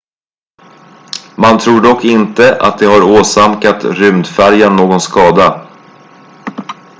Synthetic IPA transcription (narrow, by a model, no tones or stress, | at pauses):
mant̪ʰɾuːɖɔkːɪnt̪əʔa̰t̪̚d̪ɛɦaɾoːsamkat̪ɾʏmd̪fæɾjanːoːɡɔnskɑːd̪a